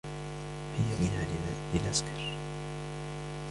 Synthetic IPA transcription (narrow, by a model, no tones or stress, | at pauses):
hɪjːabɪnaːlɪlɪlʔaskɑ̥ɾˤ